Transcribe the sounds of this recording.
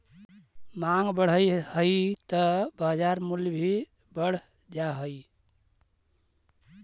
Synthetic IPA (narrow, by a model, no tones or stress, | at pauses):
maŋɡbəɽ̤əjhəjt̪əbad͡ʒaɾmuljbʱi | bəɽ̤ | d͡ʒaɦəi